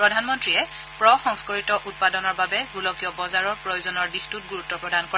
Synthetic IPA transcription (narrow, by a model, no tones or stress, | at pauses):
pɹɔdʱanmɔntɹiɛ | pɹɔxɔŋskɔɹitɔʔut̚padɔnɔɹbabɛɡulɔkiɔbɔzaɹɔɹpɹɔjozɔnɔɹdixtut̚ɡuɹutːɔpɹɔdankɔɹɛ